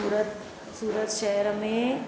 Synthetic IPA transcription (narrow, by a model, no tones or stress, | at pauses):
ɾət̪ | suːɾət̪ʃɛɦəɾmẽ